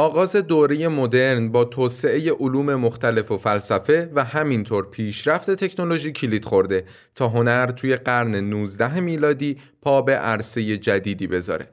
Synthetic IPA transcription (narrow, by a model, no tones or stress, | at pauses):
ɒːɣɒːze̞d̪oːɾeje̞mo̞d̪e̞ɾnbɒːt̪ʰoːse̞ʔe̞je̞ʔoluːme̞moxt̪ʰæle̞fo̞fælsæfe̞væhæmint̪ʰoɾpʰiːʃɾæft̪e̞t̪ʰe̞cʰno̞loʒiːcʰilid̪̥xo̞ɾd̪e̞ | t̪ʰɒːɦo̞næɾt̪ʰuːje̞ɢæɾne̞nuːzd̪æɦmiːlɒːd̪iː | pʰɒːbe̞ʔæɾse̞je̞d͡ʒæd̪iːd̪iːbe̞zɒ̰ːɾe̞̰